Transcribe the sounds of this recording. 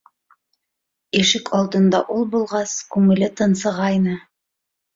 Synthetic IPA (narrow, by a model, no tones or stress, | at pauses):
iʃɘkʰɑlˠd̪ɤ̆nd̪ɑʔulˠbulˠʁɑskʉŋɘ̆lɘt̪ɤ̆nsɤ̆ʁɑjnɤ